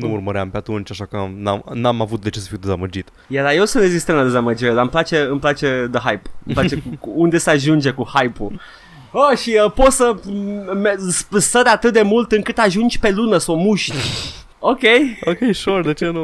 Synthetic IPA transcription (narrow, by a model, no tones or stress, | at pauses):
nuurməɾeampeat̪unt͡ʃʲaʃakənanamavut̪̚d̪e̞t͡ʃesə̥fijwd̪ezaməd͡ʒit̪ | jadajewsunezist̪emlad̪e̞zaməd͡ʒiɾed̪aɨmplat͡ʃe̞ɨmplat͡ʃe̞d̪əɦajpɨmplat͡ʃe̞kuuund̪e̞səaʒund͡ʒe̞kuhajpu | əʃiəpo̞t̪səmespɨst̪əd̪at̪ɨt̪̚d̪e̞mult̪ɨŋkɨt̪aʒund͡ʒʲpe̞lunəsawmuʃt̪ʲ | okʲejokʲejʃord̪e̞t͡ʃenu